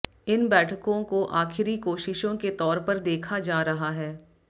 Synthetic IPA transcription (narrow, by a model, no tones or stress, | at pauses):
ɪnbɛːʈʰəkõkoʔaːxʰɪɾikoːʃɪʃõket̪ɔːɾpɐɾd̪eːkʰad͡ʒaːɾɐɦaɦɛː